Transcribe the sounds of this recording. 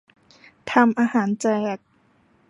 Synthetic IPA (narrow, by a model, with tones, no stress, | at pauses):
t̪ʰa˧mʔaː˧haː˩˦nt͡ɕɛː˧˩k̚